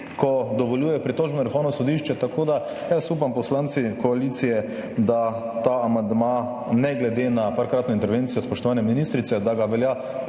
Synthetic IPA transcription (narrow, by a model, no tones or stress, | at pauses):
kɔd̪ɔʋɔljuːjɛpɾit̪oːʒbɛnɔɾixownɔsɔd̪iʃt͡ʃɛt̪akod̪a | jasup̬ampɔslant̪sikɔalit̪sijɛ | d̪a | t̪aːmand̪ma | nɛɡlɛd̪enapaɾkɾaːt̪nɔint̪ɛɾʋent̪sijɔspɔʃt̪ɔʋaːnjɛminist̪ɾit̪sɛd̪aɡaʋɛlja